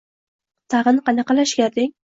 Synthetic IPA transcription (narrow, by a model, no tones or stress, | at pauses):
t̪ʰɑʁɨnqɑnɑqɑlaʃkʲaɾd̪ɪŋ